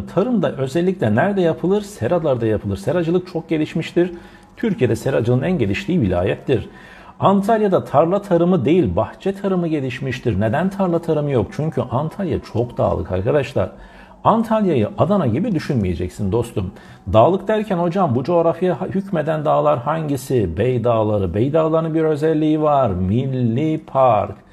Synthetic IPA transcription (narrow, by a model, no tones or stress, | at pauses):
t̪ʰaɾɯmd̪aʔø̞zɛlʲːiclʲɛnæɾd̪ɛjapʰɯlˠɯɾsɛɾad̪lˠaɾd̪ajapʰɯlˠɯɾsɛɾad͡ʒɯlˠɯk̚t͡ʃʰo̞k̚ɟe̞lʲiʃmiʃt̪ʰiɾ̥ | t̪ʰyɾcʰije̞d̪ɛsɛɾad͡ʒɯlˠɯnænɟe̞lʲiʃlʰʲiːvilʲa̰ːjɛt̪ːiɾ̥ | ant̪ʰalʲjad̪at̪ʰaɾlˠat̪ʰaɾɯmɯd̪e̞jilʲbaht͡ʃʰɛt̪ʰaɾɯmɯɟe̞lʲiʃmiʃt̪ʰiɾned̪ænt̪ʰaɾlˠat̪ʰaɾɯmɯjo̞k̚t͡ʃʰyɲcʰyʔant̪ʰalʲja̰t͡ʃʰo̞kd̪̥a̰ːlˠɯ̰kʰa̰ɾkʰad̪aʃlˠa̰ɾ̥ | ant̪ʰalʲjajɯ̰ʔad̪anaɟibid̪yʃynmije̞d͡ʒɛ̰csind̪o̞st̪ʰum | d̪aːlˠɯkd̪æɾcʰæno̞d͡ʒambud͡ʒo̞ːɾafjahycme̞d̪ænd̪aːlˠaɾhaɲɟisibɛjd̪aːlˠaɾɯbejd̪aːlˠaɾɯnbiɾø̞zɛlʲːijivaɾmilʲːipʰaɾk